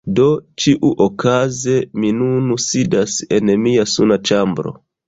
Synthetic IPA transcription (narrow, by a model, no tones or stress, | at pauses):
dɔt͡ʃiʔuʔɔkazɛminunusidasiɛnɛmijasunat͡ʃambɾɔ̰